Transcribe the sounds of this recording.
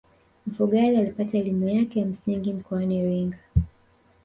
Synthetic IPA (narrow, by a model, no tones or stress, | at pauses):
m̩fuɠalialipataɛlimujakɛjam̩siŋɡim̩kɔaniɾiŋɡa